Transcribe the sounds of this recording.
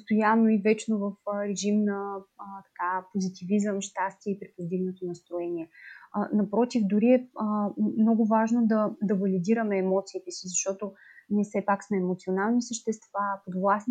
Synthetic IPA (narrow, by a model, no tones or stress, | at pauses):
pst̪ojanːoivɛt͡ʃnovəfɾɛʒimnət̪ɐ̥kapozit̪ivizəmʃt̪ast̪ʲiɛipɾipozd̪iɡnot̪onɐst̪ɾoɛnʲiɛnɐpɾɔt̪ivd̪ʊɾiɛəmnɔɡʊvaʒnod̪ɐd̪ɐvɐlid̪iɾəmɛːmɔt̪siːt̪ɛsizɐʃt̪ɔt̪onʲiɛfsɛpaksmɛːmot̪sionalˠnisəʃt̪ɛst̪vapod̪vlˠasn